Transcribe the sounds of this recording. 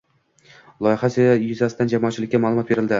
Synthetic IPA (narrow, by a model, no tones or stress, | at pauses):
lˠɒjɪhasɪjʊzasɪd̪and͡ʒamɒːt̚t͡ʃʰːɪlɪkʲːamaːlˠʊmɒt̪̚be̞ɾɪld̪ɪ